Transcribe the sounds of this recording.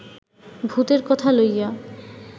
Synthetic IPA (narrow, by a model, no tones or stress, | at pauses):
bʱut̪eɾkɔt̪ʰaloja